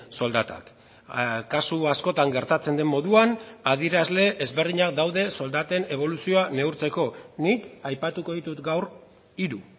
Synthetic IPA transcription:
so̞ld̪at̪a̰k | kasuasko̞t̪aŋɡe̞ɾt̪at͡se̞nd̪e̞mːo̞ðuanaðieɾazle̞ʔːzβe̞rðiɲak̚d̪awðe̞so̞ld̪at̪e̞ne̞β̞o̞lusio̞ane̞uwɾt͡se̞ko̞nikajpat̪uko̞ðit̪ut̪ɡawr | iɾu

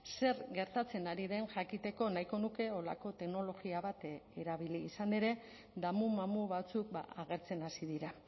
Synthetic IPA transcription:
se̞ɾɡe̞ɾt̪at͡se̞naɾiðenʝakit̪e̞ko̞naiko̞nuke̞o̞la̰ko̞t̪e̞kno̞lo̞ɣiaβat̪e̞ɾaβ̞iliːsane̞ɾe̞ | d̪amumamuβat͡suk̚ba̰aɣ̞e̞ɾt͡se̞nasiðiɾa

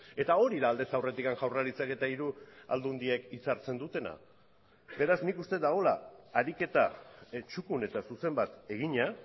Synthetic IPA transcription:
e̞t̪ao̞ɾiðaːld̪e̞sawre̞t̪ikanʝawraɾit͡sake̞t̪aiɾua̰ld̪und̪iekit͡saɾt͡se̞nd̪ut̪e̞na̰ | be̞ɾaznikust̪e̞t̪d̪aɣ̞o̞laːɾike̞t̪at͡ʃukune̞t̪asuse̞mbat̪e̞ɣ̞iɲa

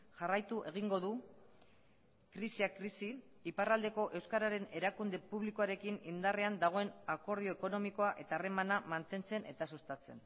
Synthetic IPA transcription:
ʝarajt̪uʔe̞ɣ̞iŋɡo̞ðu | kɾisiakɾisi | iparald̪e̞ko̞ʔe̞wskaɾaɾe̞ne̞ɾakund̪e̞puβliko̞aɾe̞kinind̪areand̪aɣ̞o̞e̞nako̞ɾð̞io̞eko̞no̞miko̞aʔe̞t̪aːre̞manamant̪e̞nt͡se̞nʔe̞̰t̪asust̪at͡se̞n

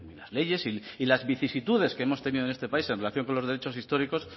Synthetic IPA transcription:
ilazle̞ʝe̞siilazβiθisit̪uð̞e̞ske̞emo̞st̪e̞niðonest̪e̞paisenre̞laθjo̞ŋko̞nlo̞zðee̞t͡ʃo̞sist̪o̞ɾiko̞s

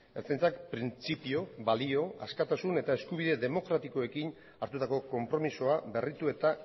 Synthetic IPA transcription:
eɾt͡sajnt͡sakpɾint͡sipio̞βalio̞askat̪asune̞t̪ae̞skuβ̞iðe̞ðe̞mo̞kɾat̪iko̞e̞kin | aɾt̪ut̪ako̞ko̞mpɾo̞miso̞aβe̞rit̪ue̞t̪a

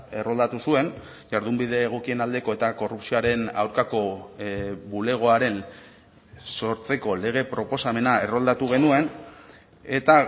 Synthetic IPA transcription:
e̞ro̞ld̪at̪usue̞n | ʝaɾðumbiðe̞ːɣ̞okie̞nald̪e̞ko̞e̞t̪ako̞rupsioaɾe̞na̰wɾkako̞ | bule̞ɣ̞o̞aɾe̞n | so̞ɾt͡se̞ko̞le̞ɣ̞e̞pɾo̞po̞same̞nae̞ro̞ld̪at̪uɣ̞e̞nue̞n | e̞t̪a

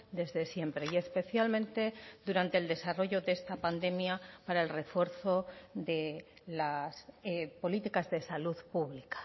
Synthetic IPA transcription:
d̪e̞zðe̞sje̞mpɾe̞ie̞spe̞θjalmẽnt̪e̞d̪uɾant̪e̞ld̪e̞saro̞ʝo̞ðe̞st̪apand̪e̞mjapaɾaelre̞fwe̞ɾθo̞ðe̞ | lasepo̞lit̪ikazðe̞saluðpuβlikḁ

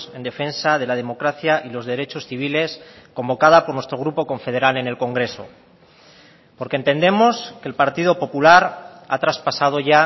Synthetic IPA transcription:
se̞nd̪e̞fe̞nsað̞e̞lað̞e̞mo̞kɾaθjaʔilo̞zðe̞ɾe̞t͡ʃo̞sθiβ̞ile̞sko̞mbo̞kað̞apo̞ɾnwe̞st̪ɾo̞ɣɾupo̞ko̞ɱfe̞ðe̞ɾale̞ne̞lko̞ŋɡɾe̞so̞̰ | po̞ɾkent̪e̞nd̪e̞mo̞ske̞lpaɾt̪iðo̞po̞pulaɾa̰t̪ɾaspasað̞o̞ʝa

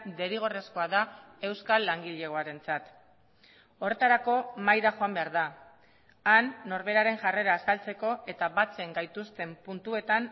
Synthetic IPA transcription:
d̪e̞ɾiɣ̞o̞re̞sko̞aðae̞wskalːaŋɡiʎe̞ɣo̞aɾe̞nt͡sat̪ | o̞re̞t̪aɾako̞majɾaʝo̞ambe̞aɾða | anːo̞ɾβe̞ɾaɾe̞ŋʝare̞ɾaːsalt͡se̞ko̞e̞t̪aβat͡se̞ŋɡajt̪ust̪e̞mpunt̪ue̞t̪an

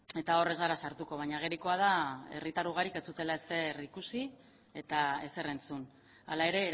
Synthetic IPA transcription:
e̞t̪ao̞re̞zɣaɾasaɾt̪uko̞βaɲaɣ̞e̞ɾiko̞að̞ae̞̰rit̪aɾuɣ̞aɾike̞t͡sut̪e̞laese̞rikusi | e̞t̪ae̞se̞re̞nt͡sun | a̰lae̞ɾe̞

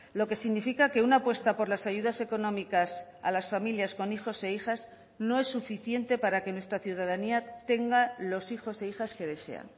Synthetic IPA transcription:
lo̞ke̞siɣnifikake̞unapwe̞st̪apo̞ɾlasaʝuðase̞ko̞nõ̞mikasa̰lasfamiljaskonixo̞se̞ixas | no̞e̞sːufiθje̞nt̪e̞paɾake̞nwe̞st̪ɾaθjuðað̞aniat̪e̞ŋɡalo̞sixo̞se̞ixaske̞ðe̞se̞̰a̰ŋ

